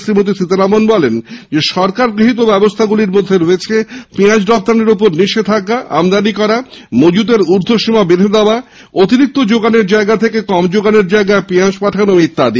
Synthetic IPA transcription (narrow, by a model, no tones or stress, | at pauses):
sɾimot̪̬isit̪aɾamonbɔlend͡ʑeʃɔɾkaɾɡɾiɦit̪̬obɛbost̪ʰaɡuliɾmod̪ʱːeɾoet͡ɕʰepɾiãd͡ʑɖɔp̚t̪aneɾup̬oɾniʃet̪ʰakaʔa̰md̪anikɔɾamod͡ʑut̪̬eɾuɾd̪ʱoʃimabeɾed̪aoa | ot̪iɾik̚t̪od͡ʑoɡaneɾd͡ʑaeɡat̪ʰekekɔmd͡ʑoɡaneɾd͡ʑaeɡaepiaʃpaʈʰanomit̪ːad̪i